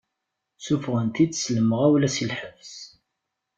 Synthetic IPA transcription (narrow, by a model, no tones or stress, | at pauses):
sufʁənt̪id̪sləməʁæwlæsilħəvs